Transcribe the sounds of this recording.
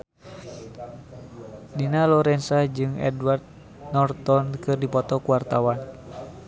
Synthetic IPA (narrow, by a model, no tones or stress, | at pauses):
dinalɔɾɛnsad͡ʒɨŋɛ̰dward̪̚ | nɔrt̪ɔnkɨrdipɔt̪ɔkuwart̪awan